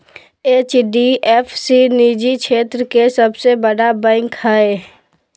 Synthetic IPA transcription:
eːt͡ʃɖiʔɛːfsiniːd͡ʒikʰʃʰeːt̪ɾəkesɐbsebəɽabɛ̃ːŋkhɛe

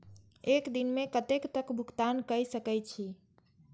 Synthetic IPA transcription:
ekd̪inmekət̪ekt̪əkbʱukt̪ankəjsəkɛjt͡ʃʰi

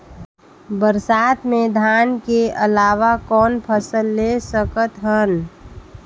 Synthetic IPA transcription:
bəɾsaːt̪mẽd̪ʱaːnkeəlaːʋakɔːnpʰəsəlːesəkət̪ɦən

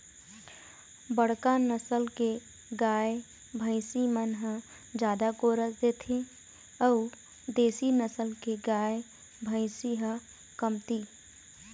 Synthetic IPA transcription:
bəɽ̤kanəsəlke | ɡaːj | bʱə̃ɪsimənɦə | d͡ʒjaːd̪akoːɾəsd̪eːt̪ʰẽ | ɔː | d̪eːsinəsəlkeɡaːj | bʱəɪsiɦə | kəmt̪i

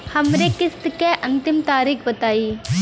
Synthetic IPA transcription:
hɐmnekɪst̪keʔɐ̃nt̪ɪmt̪aːɾiːkbɐt̪aːiː

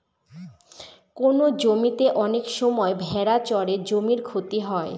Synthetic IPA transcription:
konod͡ʑomit̪eʔɔnekʃɔmɔebʱɛɾat͡ɕɔɾed͡ʑomiɾkʰot̪iɦɔe

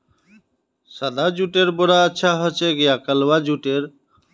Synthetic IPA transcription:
sad̪ad͡ʑuʈeɾboɾaəːɕʰaɦot͡ɕʰeɡijakəlwad͡ʑuʈeɾ

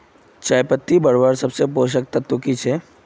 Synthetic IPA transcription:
t͡ʃaːjpət̪ːibəɽʋaɾsɐbsepoːʃ̬ək̚t̪ɐt̪ːukit͡ʃʰe

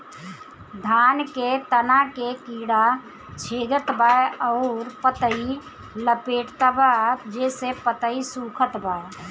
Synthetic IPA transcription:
d̪ʱaːnket̪ənakekiːɽa | t͡ʃʰeːd̪ət̪baeɔʊɾpət̪əi | ləpeːʈt̪abad͡ʒeːsepət̪əisuːkʰət̪ba

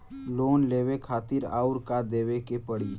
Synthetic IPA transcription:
loːnleːʋekʰaːt̪ɪɾa̰ːʊɾkad̪eːʋekepəɽiː

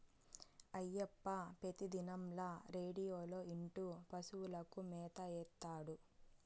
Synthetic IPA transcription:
ɐjːepːɐpet̪id̪inɐmlɐɾe̞ːɖijoːlo̞ːiɳʈupɐsuwulɐkumɛːt̪ɐɛːt̪ːaːɽu

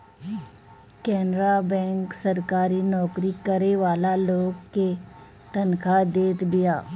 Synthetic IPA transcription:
kɛːnɾabɛ̃ːŋksɐɾkaːɾinɔːkɾikɐɾeʋaːlaloːɡke | t̪ɐnkʰad̪eːt̪bɪjaː

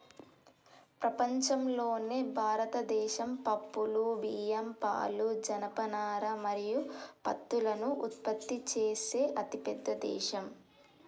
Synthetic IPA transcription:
pɾɐpɐɲt͡ʃɐmlo̞ːneːbʱaːɾɐt̪ɐd̪ɛːʃɐmpɐpːuluʋiːjɐmpa̰ːlud͡ʒɐnɐpɐnaːɾɐmɐɾijupɐt̪ːulɐnuʔut̪̚pɐt̪ːit͡ʃeːse̞ːʔɐt̪ipɛd̪ːɐd̪ɛ̰ːʃɐm

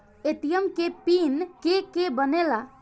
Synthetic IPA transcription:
et̪ijəmkepinkekebənela

